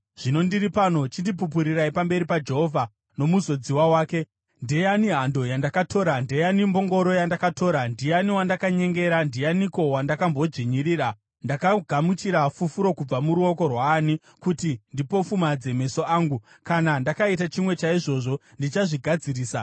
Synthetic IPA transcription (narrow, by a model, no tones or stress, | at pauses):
ʐ̥ino̞ndiripano̞t͡ʃindip̬up̬uɾiraipambe̞ɾipad͡ʒe̞ɦo̞vʱa | no̞muzo̞d͡ziwawaːke̞ | ndejaniɦando̞jandakatʰo̞ːɾandejanimbo̞ŋɡo̞ɾo̞jandakatʰo̞ːɾandijaniwandakaɲe̞ŋɡe̞ɾandijaniko̞wandakambo̞d͡ʐiɲiɾiːɾa | ndakaɡʱamut͡ʃiɾafufuɾo̞kub͡vamuɾuo̞ko̞rwaːni | kutindipo̞fumad͡ze̞me̞so̞ʔaːŋɡu | kanandakait̬at͡ʃimwe̞t͡ʃaiʐo̞ʐo̞ | ndit͡ʃaʐiɡʱad͡ziɾiːsa